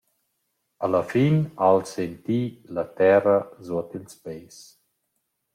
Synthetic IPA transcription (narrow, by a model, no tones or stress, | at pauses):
aləfinalsent̪ilat̪ɛrəzuɔt̪ilspɛjs